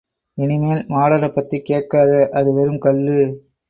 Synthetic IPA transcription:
ɪnɪmeːlmaːɽɐɽɐpːɐt̪ːikːeːʈ̚kaːðɐʔɐðɯʋɛɾɯmkɐɭːɯ

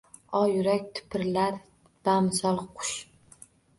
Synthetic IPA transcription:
ɒjʊɾakʲt̪ʰʊ̥pʰɪɾlaɾ | b̥amɨsɒlˠqʰʊ̥ʃ

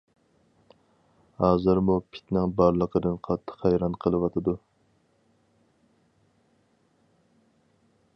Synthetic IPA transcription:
hɑːzɨɾmupʰɪ̥t̪nɪŋbɑɾlˠəqʰəd̪ɨnqʰɑt̪ʰːə̥χhæjɾɑnqʰəlˠɨwɑt̪ʰɨd̪u

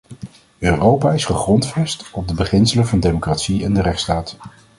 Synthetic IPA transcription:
øːrowpaːɪsχəχrɔntfɛstɔb̚dəbəχɪnsələvɑndejmokraːtsiɛndərɛχtstaːt

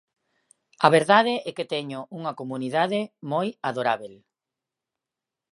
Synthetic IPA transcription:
aβeɾðað̞eɛket̪ɛɲʊʔuŋɐkomuniðaðemojaðoɾaβel

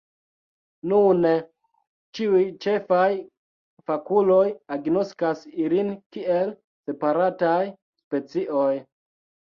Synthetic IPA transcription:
nun | t͡ʃiujt͡ʃe̞faj | fakulo̞jaɡno̞skasilinkiel | se̞paɾataj | spe̞t͡siʔoj

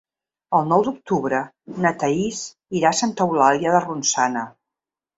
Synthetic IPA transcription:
əlˠnɔwd̪uk̚t̪uβɾə | nət̪əis | iɾasant̪əulaljəðərunsanə

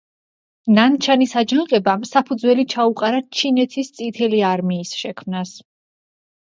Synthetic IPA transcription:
nant͡ʃʰanisad͡ʒanqʼɛbamsapʰud̪zwɛlit͡ʃʰauqʼaɾat͡ʃʰinɛt̪ʰist̪sʼit̪ʰɛliaɾmiːsʃɛkʰmnas

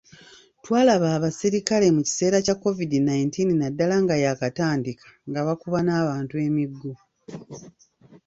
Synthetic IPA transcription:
twaːlaβaːβasiɾikale̞muci̥se̞ːɾacakːo̞vidinajintinnadːalaŋɡajakataːndikʰḁŋɡaβakuβanaːβaːntue̞miɡːu

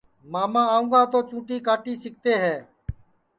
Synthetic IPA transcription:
maːmãːaːʊ̃ːŋɡaːt̪oːt͡ʃũːʈiːkaːʈiːsɪk̚t̪eːɦɛː

